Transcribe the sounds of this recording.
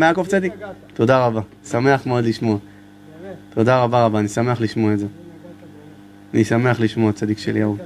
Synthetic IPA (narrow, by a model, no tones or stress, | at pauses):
meakoft͡sad̪ik̚t̪o̞d̪aʁaba | same̞aχmeo̞d̪liʃmo̞a | t̪o̞d̪aʁabaʁabaːnisame̞aχliʃmoaeze | anisame̞aχliʃmo̞at͡sad̪ikʃeljau